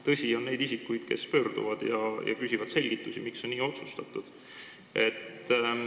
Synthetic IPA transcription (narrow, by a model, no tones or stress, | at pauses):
t̪ɤsʲio̞nːe̞jd̪isikːujd̪̥ke̞̰spø̞ːrd̪ṵvɑd̪̥jɑjɑ̰pysʲivɑd̪̥se̞lʲɡ̥it̪ːˑusimikso̞nnːiːo̞t̪sust̪ɑt̪ːˑud̪̥ | e̞t̪ː